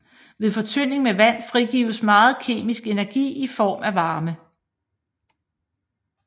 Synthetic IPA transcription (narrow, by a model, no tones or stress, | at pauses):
ʋe̝ðˠfɒ̽t͡sʰøn̰e̝ŋmeʋæn̰fʁiɡ̥ḭːʊsmɑ̈ːð̞̩ˠkʰe̝̰ːmisɡ̥e̝næɐɡ̥ḭːifɒ̰ːmæʋɑ̈ːmə